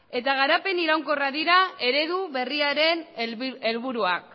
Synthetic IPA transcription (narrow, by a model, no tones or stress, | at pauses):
e̞t̪aɣ̞aɾape̞niɾawŋko̞raðiɾae̞ɾe̞ðuβe̞riaɾe̞ne̞lβuɾuak